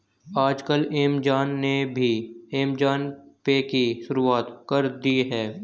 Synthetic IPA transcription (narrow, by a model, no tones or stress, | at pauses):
aːd͡ʒkəleːmd͡ʒaːnːebʱieːmd͡ʒaːnpekiʃʊɾuaːt̪kəɾd̪iɦɛː